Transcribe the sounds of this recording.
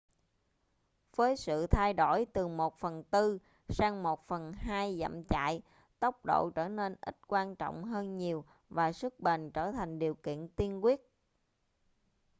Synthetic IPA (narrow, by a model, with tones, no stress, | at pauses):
v̥əː˨˦jsɨ̰˧˨t̪ʰa˧jɗo˧˩jt̪ɨ˨˩mo˨˩t̚fə˨˩nt̪ɨ˧ | saː˧ŋmo˨˩t̚fə˨˩nɦaː˧jzə̰˧˨mt͡ɕa̰ː˧˨j | t̪ə˦˥wk͡p̚ɗo̰˧˨t͡ɕəː˧˩ne˧nʔï˦˥t̚kwaː˧nt͡ɕɔ̰˧˨wŋ͡mɦəː˧nɲi˨˩əw | vaː˨˩sɨ˦˥k̚ɓe˨˩nt͡ɕəː˧˩t̪ʰa˨˩jŋ̟ɗi˨˩əwkḭ˧˨ənt̪i˧ənkwi˦˥ət̚